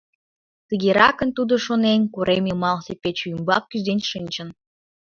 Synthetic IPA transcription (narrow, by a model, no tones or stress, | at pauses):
t̪əɣeɾɑkə̆nt̪ud̪oʃonenʲkuɾʔemimɑlsepet͡ɕuymbɑkːyʒd̪enʲʃɨnʲt͡ɕə̆n